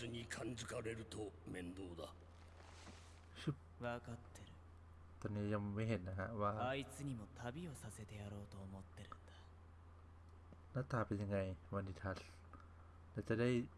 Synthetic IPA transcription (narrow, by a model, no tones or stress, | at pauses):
ɨɲikʰãnd͡zɨkaɾe̞ɾɯ̟t̪omẽ̞nd̪oːd̪a | ɕɯp̚ | βakat̪ːe̞ɾɯ | t̪onijamweɦenːaɦaʔβaait͡sɨɲ̟imo̞t̪ʰabʲio̞sase̞t̪e̞jaɾo̞ːt̪o̞ːmo̞t̪ːe̞ɾɯnd̪̥a | nat̪ʰapeliŋajmanit̪ʰaɬ | natadaj